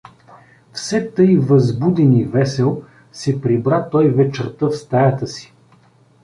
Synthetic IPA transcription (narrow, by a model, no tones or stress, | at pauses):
fsɛt̪ɤjvəzbud̪ɛnivɛsɛlˠ | sɛpɾibɾat̪ɔjvɛt͡ʃəɾt̪əfst̪ajət̪əsi̥